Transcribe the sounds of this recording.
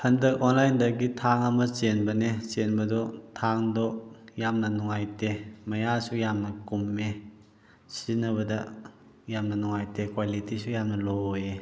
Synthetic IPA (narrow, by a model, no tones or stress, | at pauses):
hɐndɐkonlajndɐɡitʰaŋɐmɐt͡ʃenbɐnesenbɐdɔtʰaŋdɔjamnɐnɔŋajtemɐjasujamnɐkumːe | sinɐβɐdɐ | jamnɐnɔŋajtekwalitisujamnɐlooje